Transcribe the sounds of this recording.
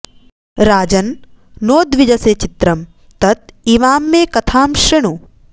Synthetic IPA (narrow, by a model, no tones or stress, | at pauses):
ɾaːd͡ʒɐnː | oːd̪ʋid͡ʒɐseːt͡ʃit̪ɾɐm | t̪ɐt̪iʋaːmːeːkɐt̪ʰaːmʃɐɳ̃u